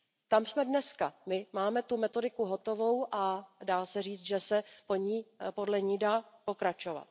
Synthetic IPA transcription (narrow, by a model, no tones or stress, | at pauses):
t̪amsmɛdnɛskamɪmaːmɛt̪umɛt̪o̞dɪkuɦo̞t̪o̞vo̞wʔadaːsɛriːt͡st̪ʒɛsɛpo̞ɲiːpo̞dlɛɲiːdaːpo̞kɾat͡ʃo̞va̰t̪̚